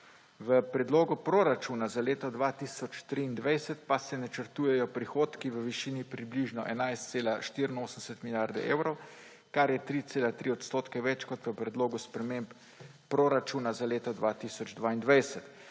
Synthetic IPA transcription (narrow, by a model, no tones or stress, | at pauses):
ʋəpɾɛd̪loːɡupɾoːɾat͡ʃunazaleːt̪ɔd̪ʋat̪isɔt͡ʃt̪ɾiːnd̪ʋajsɛt̪pasɛnɛt͡ʃəɾt̪uːjɛjɔpɾixoːt̪kiʋəʋiʃiːnipɾibliʒnɔʔɛnajst̪seːlaʃt̪iɾinoːsən̩sɛt̪miljaɾd̪ɛ̰ʔeːwɾɔw | kaɾjɛt̪ɾit̪seːlat̪ɾiɔt̪st̪oːt̪kɛʋɛt͡ʃkɔt̪ʋəpɾɛd̪loːɡuspɾɛmempː | ɾoɾat͡ʃuːnazaleːt̪ɔd̪ʋat̪isɔd͡ʒd̪ʋaːind̪ʋajsɛt̪